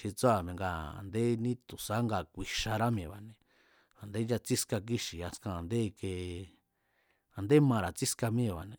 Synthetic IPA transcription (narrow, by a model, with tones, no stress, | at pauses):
ʃi˧t͡so˦a˨mẽ˧ŋɡa˧˨a̰˨nd̪e˦nĩ˦t̪u˨sa˦ŋɡa˧˨kʷi˨ʃa˧ɾa˦m˧ẽ˨βa˨nẽ˧ | a˨nd̪e˦ja˧t͡si˦ska˧k̬i˦ʃi˨a˧skã˧˨a˨nd̪e˦˧ke˧ | a˨nd̪e˦mã˧ɾa˨t͡si˦ska˧mĩ˦˨βa˨nẽ˧